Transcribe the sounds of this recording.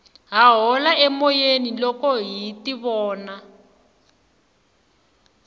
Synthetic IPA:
ɦaɦɔlaʔɛmɔjenilɔkɔɦitiβɔːna

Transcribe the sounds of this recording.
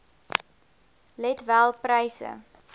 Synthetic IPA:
lɛtvælˠprəjsə̰

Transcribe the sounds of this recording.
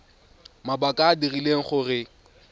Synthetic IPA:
mabakʼaːdirileŋ̩χʊrɪ

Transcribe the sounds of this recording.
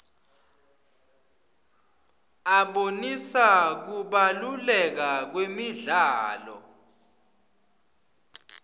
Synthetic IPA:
aɓonisak̬uɓalulɛk̬ak̬wemiɮaːlɔ̰

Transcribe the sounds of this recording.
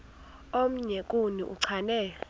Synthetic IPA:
om̩ɲɛkʼunḭʔṵǀʰanɛ

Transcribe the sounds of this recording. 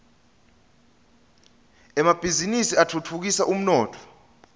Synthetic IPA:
ɛmab̥ʱizinisiatʰutʰuk̬isaʔum̩nɔːtʰɔ̥

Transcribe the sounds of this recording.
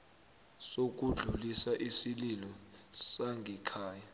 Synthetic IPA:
sok̬uɮulisaʔisililɔsaŋɡʱɛkʰaːja

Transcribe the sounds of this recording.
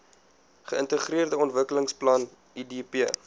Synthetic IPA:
χəəntəχriərdəɔntvəkələŋsplɐn | idipiə

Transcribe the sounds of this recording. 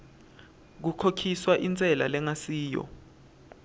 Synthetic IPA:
k̬ukʰokʰiswaʔint͡sʼɛla̰lɛŋasiːjɔ̰

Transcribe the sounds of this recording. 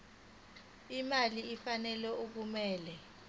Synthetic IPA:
imaliːfanɛlɛʔuk̬umɛːlɛ

